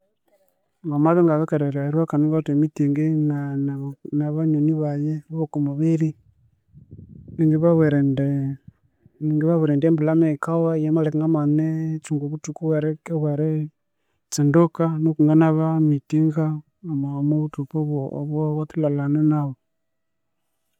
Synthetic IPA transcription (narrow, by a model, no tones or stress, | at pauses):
ŋɡamaðeŋɡaβakeɾeɾaɾwakanuŋɡatemitiŋɡenannaβaɲoniβajeβaβokumoβiɾi | iŋɡiβaβweɾɛndɛ | iŋɡiβaβeɾɛndɛmbulamekawajɛmalɛkaŋɡamanet͡ʃuŋɡoβutukuβwaɾɛkeβweɾɛ | t͡sindokanokuŋɡanaβamitiŋɡaː | mamoβutupoββwɔwatilalanenaβo